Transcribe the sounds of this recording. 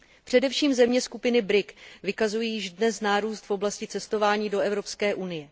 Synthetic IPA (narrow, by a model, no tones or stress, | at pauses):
pr̥ɛdɛfʃiːmzɛmɲɛskupɪnɪbɾɪkvɪkazujiːjɪʒdnɛsnaːɾuːst̪fʔo̞blascɪt͡sɛst̪o̞vaːɲiːdo̞ɛvɾo̞pskɛːʔunɪjɛ